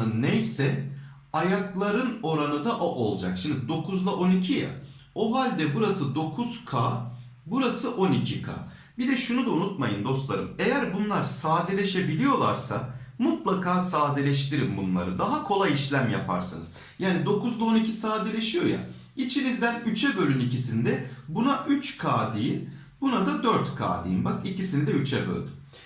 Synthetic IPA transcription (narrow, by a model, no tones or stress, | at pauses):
ɯnːejsɛ | ajaklˠaɾɯno̞ɾanɯd̪aʔoʔo̞lˠd͡ʒa̰kʃimd̪id̪o̞kʰuzlˠaʔo̞nicʰija̰ | o̞ɦalʲd̪ɛbuɾasɯd̪o̞kʰuz̥kʰaː | buɾasɯʔo̞nicʰikʰa̰ː | bid̪ɛʃunud̪aunut̪majɯnd̪o̞st̪lˠa̰ɾɯme̞jæɾbunlˠaɾsaːd̪elʲeʃebilʲijo̞lˠa̰ɾsa̰mut̪lˠakʰaːsaːd̪elʲɛʃ̬t̪ʰiɾimbunlˠa̰ɾɯd̪aɦakʰo̞lˠajiʃlʲæmja̰pʰa̰ɾsɯ̰nɯz̥ | jaːnid̪o̞kuzd̪ˠao̞nicʰisaːd̪elʲeʃijo̞ja̰ | it͡ʃʰinizd̪ænyt͡ʃʰɛbølʲynicisind̪ɛbunaʔyt͡ʃkʰaːd̪ijin | bunad̪ad̪øɾt̪kʰa̰ːd̪ḭjinbakicisinid̪ɛyt͡ʃʰɛbø̰lʲd̪y